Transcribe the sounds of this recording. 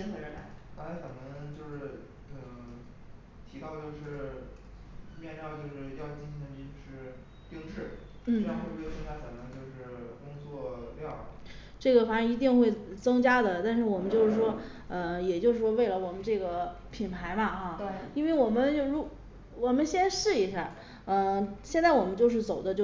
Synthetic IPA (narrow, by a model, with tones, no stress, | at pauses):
xʰɤ˥˧˩ɛ˧˥na˨˩˦xɑ˥a˧˥kʰə˨˩nə˧˥ŋt͡ɕjo˥˧ʊʂɻ̩˥˩ | ə˧ | t̪ʰi˧˥kɑ˥˧ʊt͡ɕjo˥˧ʊʂɻ̩˥˩ | mjɛ˥˧njɑ˥˧ʊt͡ɕjo˥˧ʊʂɻ̩˥˧jɑ˥˧ʊ˥˩t͡ɕi˥˩nɕʰi˧˥nd̪ə˧i˧o˥˧ʂɻ̩˥˧ | pi˥ŋʈ͡ʂʰɻ̩˥˩ | n̩˥˩˧o˥˩˧ɤ˥ŋt͡ɕja˥kʰə˨˩nə˧˥ŋt͡ɕjo˥˧ʊʂɻ̩˥˩kʊ˥ŋt͡swɔ˥˧˩ljɑ˥˩ʊ | ʈ͡ʂɤ˥˩ɡə˩fa˨˩ʂŋi˧˥t̪i˥˧ŋxwe˥˩ɪt͡sɤ˥ŋt͡ɕja˥d̪ə˨t̪a˥˧nʂɻ̩˥˩wɔ˨˩mə˦nt͡ɕjo˥˧ʊʂɻ̩˥˩ʂwɔ˥ | ə˧jɛ˨˩t͡ɕjo˥˧ʊʂɻ̩˥˩ʂwɔ˥we˥˩ɪlə˩wɔ˨˩mə˦nʈ͡ʂɤ˥˩ɡə˩pʰi˨˩npʰa˧˥ɪmɐ˧xa˥˧t̪i˥nwe˥˩ɪwɔ˨˩mə˦nt͡ɕo˥˩ʊɻu˧˥ | wɔ˨˩mə˦nɕjɛ˥nʂɻ̩˥˩i˧˥ɕjɑ˥˩ŋ | ə˧ɕjɛ˥˧nt͡sa˥˩ɪwɔ˨˩mə˦nt͡ɕo˥˧ʊʂɻ̩˥˩t͡so˨˩ʊd̪ə˦t͡ɕjo˥˧